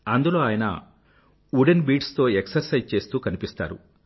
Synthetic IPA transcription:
ɐnd̪ulo̞ːaːjɐnɐ̰ | uːɖenbiːʈst̪o̞ːeksɐɾsɐjzt͡ʃe̞ːst̪uːkɐnipist̪a̰ːɾṵ

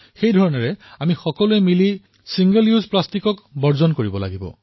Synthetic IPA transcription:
xejdʱɔɹɔnɔɹɛamixɔkɔluemili | siŋɡəljuzplastikɔkbɔɹzɔnkoɹibɔla̰ɡibɔ̰

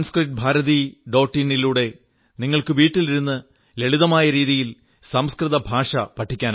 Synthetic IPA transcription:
nskriʈ̚bʱaːɾɐðiɖo̞ːʈːiniluːɽe̞ | niŋːɐɭkɨʋiːʈːiliɾunːɨ | le̞ɭiðɐmaːjɐɾiːðijil | sɐmskrɨðɐbʱaːʂɐpɐʈʰːikʲːaːn

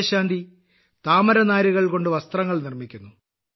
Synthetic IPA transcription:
ɕaːnd̪ʱi | t̪aːmɐɾɐnaːɾuɣɐɭko̞ɳɖɨʋɐst̪rɐŋːɐɭnirmikʲːunːu

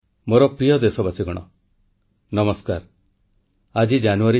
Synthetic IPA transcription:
moɾɔpɾijɔd̪esɔbat͡ʃʰiɡɔɽ̃ɔ̰ | nɔmɔskaɾ | ad͡ʒid͡ʒanuaɾi

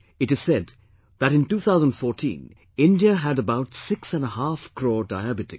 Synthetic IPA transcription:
ɨtɨz̥sɛd̪ | ðæɾɪ̃ntuːt̪ʰaʊzə̃n̩dfɔːɾtʰḭ̃n | ɪ̃ndiəɦæɾəbaʊtsɪksæ̃nəhafkʰɾɔːdaɪæbɪtɪk

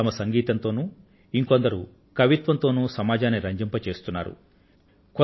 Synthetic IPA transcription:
ɐmɐsɐŋɡiːt̪ɐnt̪o̞ːnuː | iŋkond̪ɐɾu | kɐʋit̪ʋɐnt̪o̞ːnuːsɐmaːd͡ʒaːnːiɾɐɲd͡ʒɐmpɐt͡ʃe̞ːst̪unːa̰ːɾṵ | kɔ

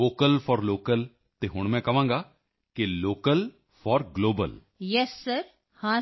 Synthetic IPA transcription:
oːkəlpʰɔːɾloːkəl | t̪eːɦʊɳ̃mɛ̃ːkəʋãːŋɡaː | kɪloːkəl | fʰɔːɾɡloːbə̰l | jɛsːəɾ | hãː

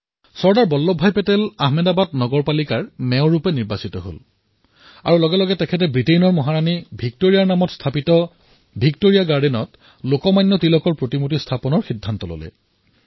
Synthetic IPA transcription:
sɔɹdaɹbɔlːɔbʱːajpɛtɛlaɦmɛdabatnɔɡɔɹpalikaɹmɛʊ̃ɹupɛniɹbasitɔɦo̰l | a̰ɹulɔɡɛlɔɡɛtɛkʰɛt̬ɛbɹitejnɔɹmɔɦaɹanibʱik̚toɹijaɹnamɔtstʰapitɔ | bʱiktoɹijaɡaɹdinɔt | lokɔmajnːɔtilɔkɔɹpɹotimot̬istʰapɔnɔɹxidʱːantɔlo̰lɛ̰

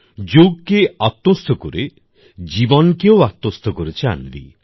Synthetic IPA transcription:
d͡ʒoɡkeat̪ːost̪ʰɔkoɾe | d͡ʒibɔnɔkewat̪ːost̪ʰɔkoɾet͡ʃʰia̰nb̪ḭ

